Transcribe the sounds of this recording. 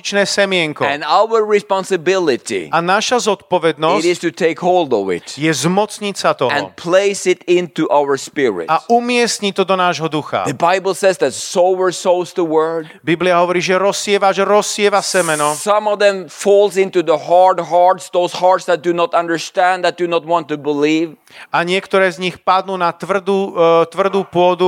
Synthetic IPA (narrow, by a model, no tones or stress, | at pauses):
t͡ʃnɛːsɛmɪɛŋkɔɛ̃naʊə˞ɹɪspɑ̃nsɨbɪlˠɪtḭanaʃazɔt̪̚pɔʋɛd̪nɔsɪɾɪz̥tɨtʰeɪkhoʊlˠdɔvɪ̰tjɛzmɔt͡sɲit͡sat̪ɔ̃npʰleɪsɪtɪ̃ntuʔaʊə˞spɪɹɪ̰taumɪɛsɲit̪ɔd̪ɔnaːʒɦɔd̪uxa̰ðəbaɪbl̩ˠsɛzðætsoʊbə˞soʊzðəwɜ˞d | bibliaɦɔʋɔɾiːʒɛɾɔsɪɛʋaʒɛɾɔsɪɛʋasɛmɛnɔsʌ̃mɔvðɛ̃mfɔlˠzɪ̃ntuðəɦɑɹdɦɑɹtsðoʊzhɑɹtsðæt̚d̥ɨnɔtʌ̃ndə˞stæ̃nd̪æt̚d̥ɨnɔt̚wɑ̃ntubəliv | aɲɪɛkt̪ɔɾɛːzɲixpad̪nuːnat̪ʋr̩d̪ut̪ʋr̩d̪uːpʊɔd̪u